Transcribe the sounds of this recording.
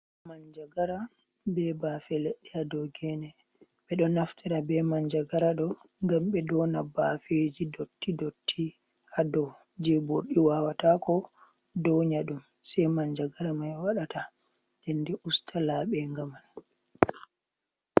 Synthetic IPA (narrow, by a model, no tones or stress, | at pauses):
maɲd͡ʒaɡaɾa | bɛbafɛleɗːihadɔwɡɛnɛ | ɓɛɗɔnaftiɾabɛmaɲd͡ʒaɡaɾaɗɔ | ŋɡamɓɛdɔnabafed͡ʒidotʰːidotʰːi | hadɔw | d͡ʒɛboɾɗiwawatakɔ | dɔwɲaɗum | sɛjmaɲd͡ʒaɡaɾamajwaɗata | dɛndɛʔustʰalaːɓɛŋɡaman